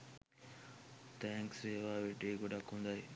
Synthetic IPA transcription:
t̪ɛ̃ːŋksɾeːʋaːʋeʈeːɡoɖakɦũnd̪ae

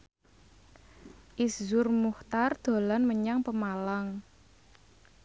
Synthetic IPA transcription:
ʔiszʊrmuht̪ard̪̥o̤lanməɲaŋpəmalaŋ

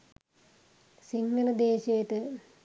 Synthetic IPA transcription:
siŋɡɐlɐd̪eːɕɐjʈ̪ːɨ

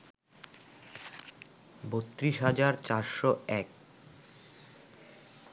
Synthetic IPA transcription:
bot̪ːɾiʃɦad͡ʑaɾt͡ɕaɾʃoɛk̚

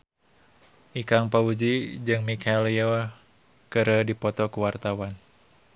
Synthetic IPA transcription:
ʔikaŋpaud͡ʒid͡ʒɨŋmikʰɛlio | kəɾədipɔt̪ɔkuwart̪awan

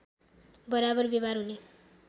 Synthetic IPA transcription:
bʌɾabʌrbeβarɦune

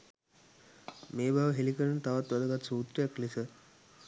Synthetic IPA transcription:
meːbʱaʋəɦelikəɾənət̪aʋat̪ʋad̪əɡat̪suːt̪ɾəjaklisə

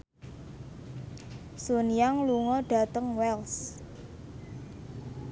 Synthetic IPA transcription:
sonijaŋluŋɔɖ̥ä̤t̪əŋwɛls

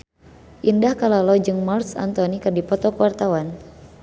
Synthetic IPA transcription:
ʔindahkalalɔd͡ʒɨŋmɔrsa̰nt̪ɔnikɨrdipɔt̪ɔkəwart̪awan

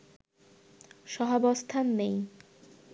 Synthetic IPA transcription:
ʃɔɦabɔst̪ʰanːej

